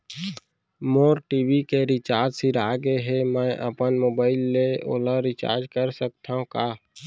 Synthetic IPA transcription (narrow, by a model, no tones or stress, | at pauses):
moːɾʈiːbikeɾɪt͡ʃaːɾd͡ʒsiɾaːɡeɦemɛ̃ʔə̰pənmoːbaːɪlːeo̰ːləɾɪt͡ʃa̰ːɾd͡ʒkəɾsək̚t̪ʰaɦũkaː